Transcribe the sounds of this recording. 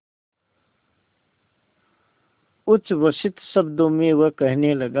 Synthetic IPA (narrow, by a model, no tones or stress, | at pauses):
ʊt͡ʃʋəsɪt̪səbd̪omewəkəɦneləɡ